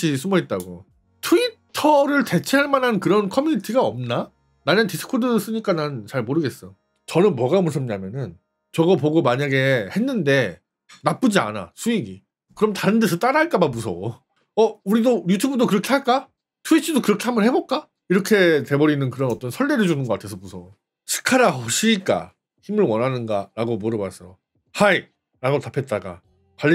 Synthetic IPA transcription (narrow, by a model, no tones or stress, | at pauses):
isʰumʌit̚t͈aɡo̰ | tʰuitʰʌɾɯɭte̞t͡ɕʰeaɭmanɦankɯɾʌnkʰʌmjuɲitʰiɡaʌmna | naɲɯntis͈ʰɯ̥kʰodɯs͈ɯɲik͈anant͡ɕaɭmoɾɯɡe̞s͈ʌ | t͡ɕʌnɯnmwʌɡamos̬͈ʰɯmɲamjʌnɯn | t͡ɕʌɡʌp̬oɡomaɲaɡe̞he̞nːɯnde̞ | nap͈ɯd͡ʑia̰na̰sʰuiɡḭ | kɯɾʌmtaɾɯndesʰʌt͈aɾaɭk͈abamusʰʌ̰ | ʌuɾidojutʰubɯdokɯɾʌkʰe̞ɦhaɭk͈a | tʰuit͡ɕʰidokɯɾʌkʰe̞hambʌnhe̞bok͈a | iɾʌkʰe̞te̞bʌɾinɯnkɯɾʌnʌt͈ʌnsʰʌɭːeɾɯɭd͡ʑunɯnɡʌk͈atʰesʰʌpusʰʌ | t͡ɕʰɯ̥kʰaɾaɦʌɕʰiik͈a̰ | çimɯɭwʌnɦanɯnɡaɾaɡomoɾɯbas͈ʌjo | hai | ɾaɡotapʰe̞t̚t͈aɡa̰ | pa